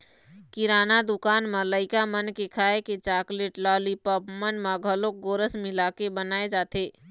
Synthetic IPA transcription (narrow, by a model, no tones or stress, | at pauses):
kɪɾaːnad̪ʊkaːnmə̃ləɪkamənkekʰaːeket͡ʃaːkleʈlaːlipəpmənmãɡʱəlok̚ɡoːɾəsmilaːkebənaːed͡ʒaːt̪eː